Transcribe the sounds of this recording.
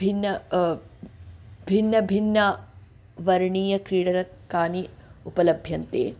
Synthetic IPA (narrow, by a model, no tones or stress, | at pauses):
bʱinːɐ | bʱinːɐbʱinːɐ | ʋɐɾɳiːjɐkɾiːɽɐɾɐkːaːniupɐlɐbʱjɐnt̪ḛː